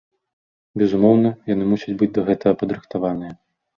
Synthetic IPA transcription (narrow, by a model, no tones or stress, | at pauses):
bʲɛzumɔwnɐjanɨmusʲɐd͡zʲbɨd͡zʲd̪ɐɣɛt̪ɐɣɐpɐd̪ɾɨxt̪avanɨjɐ